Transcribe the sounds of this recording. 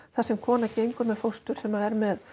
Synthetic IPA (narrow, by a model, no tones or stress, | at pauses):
θasɛmkʰɔːnacejŋkʏɾmɛðfowst̪ʏɾ̥sɛmaðɛɾmɛð